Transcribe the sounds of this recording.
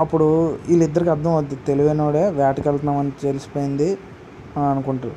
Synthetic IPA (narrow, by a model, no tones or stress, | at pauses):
ɐpːuɽuilːid̪ːɐɾikɐd̪ʱːɐ̃mɐd̪ːit̪eliʋenoːɽeːʋjaːʈikɐlt̪ɐnɐmɐnit͡ʃ̪elisi̥poːjind̪i | ɐnukuɳʈu